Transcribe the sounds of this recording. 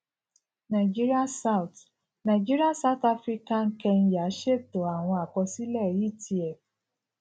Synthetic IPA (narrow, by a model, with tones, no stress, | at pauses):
na˨d͡ʒi˦ɾi˦a˦sa˦ʊ˨t | na˨d͡ʒi˦ɾi˦a˦sa˦ʊ˦ta˦fɾi˦ka˦ŋ̩˦kɛ˧n̩˦ja˨˦ʃe˦to˨a˨w̃ɔ̃˧a˨kɔ˧si˦lɛ˦˨i˦˨tʰi˨˦ɛ˨